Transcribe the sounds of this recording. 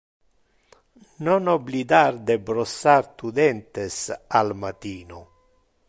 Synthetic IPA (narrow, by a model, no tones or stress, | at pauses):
nonoblid̪aɾd̪ebɾosaɾt̪ud̪ɛnt̪esalmat̪iːno